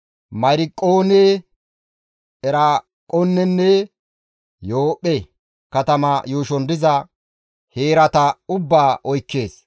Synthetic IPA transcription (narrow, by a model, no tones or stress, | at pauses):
mɐɾɪkʼːoːne | ɛɾa | kʼɔnːɛnːɛ | jo̞ːpʼːɛ | kɐt̪ɐmɐjuːʃɔnd̪ɪzɐ | heːɾɐt̪ɐʊbːaːʔɔjkːe̞ːs